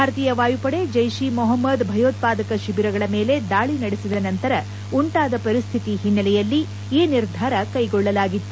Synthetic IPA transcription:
bbʱaːɾɐt̪iːjɐʋaːjupɐɽe̞d͡ʒɐjʃimɔɦɐmːɐd̪bʱɐjoːt̪̚paːd̪ɐkɐʃibiɾɐɡɐɭɐme̞ːle̞d̪aːɭinɐɽesid̪ɐnɐnt̪ɐɾɐ | uɳʈaːd̪ɐpɐɾist̪ʰit̪iɦinːɐlɛjɐlːi | iːniɾd̪ʱaːɾɐkɐjɡɔɭːɐlaːɡit̪ːu

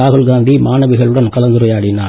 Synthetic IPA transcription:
aːɣɯlɡaːnd̪imaːnɐʋɪɣɐɭɯɽɐnkɐlɐnd̪ɯɾɐjaːɽɪnaː

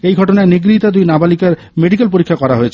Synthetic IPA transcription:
ejɡʱɔʈonaeniɡɾit̪ad̪ujnabalikaɾ | meɖikelpoɾikʰːakɔɾaɦoet͡ɕʰe

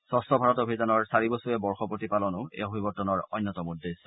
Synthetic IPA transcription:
sɔsɔbʱaɹɔtobʱizanɔɹsaɹibosuɛbɔɹxɔpotipalɔnʊɛ̰obʱibɔtːɔnɔɹɔ̰jnːɔtɔmudːes

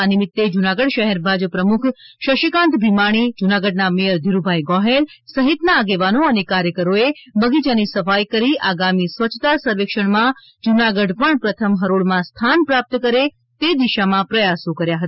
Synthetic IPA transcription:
anɪmɪt̪ːed͡ʒunaɡəɽʃəɦɛɾbʱad͡ʒəpɾəmukʰʃəʃikãnt̪bʱimaɽ̃id͡ʒunaɡəɖ̚namejəɾd̪ʱiɾubʱajɡɔɦelsəɦit̪naːɡeʋanoənekaɾjəkəɾoebəɡid͡ʒanisəfajkəɾiaɡamisʋət͡ʃʰːt̪asəɾʋekʃəɳ̃mã | d͡ʒunaɡəɖpəɳpɾət̪ʰəmɦəɾoɭmãst̪ʰanpɾap̚t̪əkəɾe | t̪ed̪iʃamãpɾəjasõkəɾjaɦət̪aa

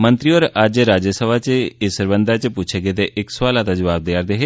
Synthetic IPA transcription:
mə̃nt̪ɾioɾad͡ʒɾaːd͡ʒəsəʋat͡ʃɪsəɾbənd̪aːt͡ʃput͡ʃʰeɡet̪eʔɪkswaːlat̪ad͡ʒəʋaːb̚d̪aːɾd̪eɦeː

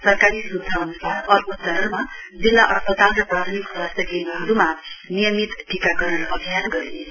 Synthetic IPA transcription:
sʌrkaɾisud̪ʱːaʌnusaɾʌrbot͡sʌɾʌmad͡zilːaʔʌspʌt̪alʌprab̪ʰʱimikswast̪ʰjʌkenʌɦʌɾumanijʌmit̪ʈikaɡʌɾʌnʔʌbʱijanɡʌɾe

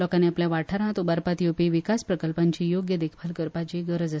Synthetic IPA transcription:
ɔkaneapljaʋaʈʰaɾãt̪ubaɾpat̪jopiʋikaspɾəkəlpaɲt͡ɕijoɡjəd̪ekʰpʰəlkəɾpat͡ɕiɡəɾəd͡zas

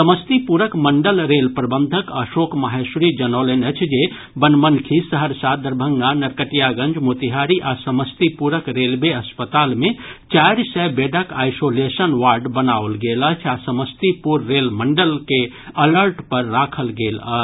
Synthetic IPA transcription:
səməst̪ipuɾəkməɳɖəlɾelpɾəbənd̪ʱəkəʃokməɦesɾid͡ʒənolenət͡ʃʰd͡ʒe | bənmənkʰisəɦəɾsad̪əɾbʱəŋɡanəɾkəʈijaɡə̃nd͡ʒmot̪iɦaɾiʔasəməst̪ipuɾəkɾelbeəspət̪almet͡ʃajɾsɛbeɖəkajsolesənʋaɾɖbənaʋəlɡeləɦt͡ʃʰasəməst̪ipuɾːelməɳɖəlke | ələɾʈpəɾːakʰəlɡelə̰ɦt͡ʃʰ

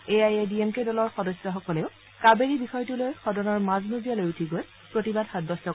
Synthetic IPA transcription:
eajediemkedɔlɔɹxɔdɔsːɔxɔkɔleʊ | kabeɹibixɔjtulojxɔdɔnɔɹmaznozijalojutʰiɡoj | pɹotibadxad̚bɔsɔ

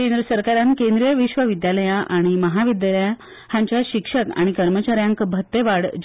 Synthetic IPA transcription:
end̪ɾəsəɾkaɾãnkẽnd̪ɾijəʋiɕʋəʋid̪jaləjãʔaɽ̃iməɦaʋid̪jaləja | hãɲt͡ɕjaɕikʂəka̰ɽ̃ikəɾmət͡ɕaɾjãŋkbʱət̪ːeʋaɽd͡ʑ

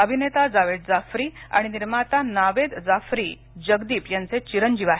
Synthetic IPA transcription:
əbʱinet̪ad͡zaʋed̪̚d͡zafɾiːa̰ɽ̃iniɾmat̪anaʋed̪d͡zafɾiː | d͡ʑəɡd̪iːpjant͡set͡ɕiɾəɲd͡ʑiʋaɦe

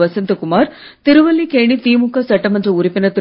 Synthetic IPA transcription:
ʋɐsɪnd̪ɐkʊmaːɾ | t̪ɪɾɯʋɐlːikeːɳit̪iːmʊkːasɐʈːɐmɐnd͡ʒɐʊɾɪpːɪnɐt̪ɪ

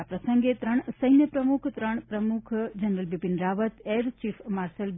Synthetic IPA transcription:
apɾəsəŋɡet̪ɾəɳ̃səjnjəpɾəmukʰt̪ɾəɳ̃pɾəmukʰd͡ʒənɾəlbipinɾaʋət̪eɾt͡ʃifmaɾsəl

